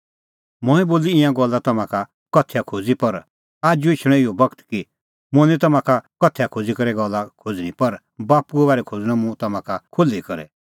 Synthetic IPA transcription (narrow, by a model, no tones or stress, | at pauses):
mɔ̃ːɛ̃boːliɪ̃jãɡɔlːat̪ɐmãka | kɔt̪ʰejakʰod͡zipɐɾ | aːd͡ʒuet͡ʃʰɽ̃ɛ̃ɪjɔbɐkt̪ki | mʊ̃nɛ̃t̪̬ɐmãkakɔt̪ʰɛjakʰod͡zikɐɾɛɡɔlːakʰod͡zñĩpɐɾ | baːpuɡobaːɾɛkʰod͡zñãmũt̪ɐmãkakʰolikɐɾɛ̰